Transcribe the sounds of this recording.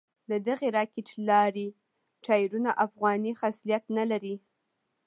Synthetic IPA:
d̪əd̪aɣeɾɑkɪʈlɑɾi | ʈɑjɾunaʔafɣɑnixaslijat̪nalaɾi

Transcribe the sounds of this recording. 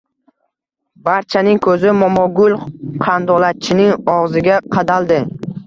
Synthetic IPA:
baɾt͡ʃʰanɪŋkʰɵzɪmɒmɒɡʊlˠqʰɑnd̪ɒlat̪̚t͡ʃʰɪnɪŋɒʁzɪɡʲaqʰɑd̪alˠd̪ɪ

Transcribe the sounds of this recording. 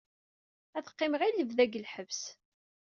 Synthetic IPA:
æθə̥qːɪmʁilːəvðæɡəlħəvs

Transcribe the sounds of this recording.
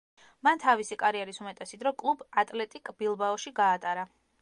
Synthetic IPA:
mant̪ʰavisikʼaɾiɛɾisumɛt̪ʼɛsid̪ɾɔkʼlˠubat̪ʼlɛt̪ʼikʼbilˠbaɔʃiɡaːt̪ʼaɾa

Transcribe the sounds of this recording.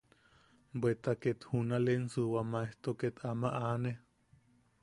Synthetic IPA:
bwet̪aket̪hunalensɨwamaeht̪oket̪ʰamaʔane

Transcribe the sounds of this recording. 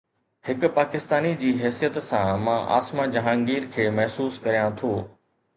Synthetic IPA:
hɪkʊ̆paːkɪst̪aːnid͡ʑiːɦɛːsijət̪sãmãːʔa̰ːsmãd͡ʑɐɦãːŋɡiːɾkʰeːmɐɦsuːskɐɾijãt̪ʰoː

